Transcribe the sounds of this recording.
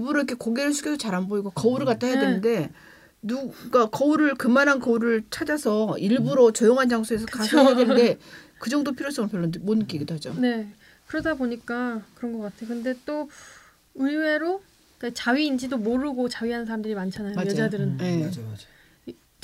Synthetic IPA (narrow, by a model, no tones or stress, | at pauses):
ibuɾoikʰe̞koɡeɾɯɭsʰu̥ɡʰedot͡ɕaɾanboiɡokʌuɾɯɭkat͈aɦejadwenɯnde̞ | nuɡakʌuɾɯɭkɯmanɦankʌuɾɯɭt͡ɕʰad͡ʑasʰʌiɭbuɾot͡ɕʌjoŋɦand͡ʑaŋsʰoesʰʌkasʰoadwende̞kɯd͡ʑʌŋdopʰiɾjos͈ʌmɯɭpjʌɭːonmonɯk͈iɡidoɦad͡ʑone̞ | kɯɾʌdaboɲik͈akɯɾʌnɡʌk͈atʰejokɯnde̞t͈o | ɯwe̞ɾo | k͈at͡ɕaɥiːnd͡ʑidomoɾɯɡot͡ɕaɥiɦanɯnsʰaɾamdɯɾimant͡ɕʰanajoajadɯɾɯne̞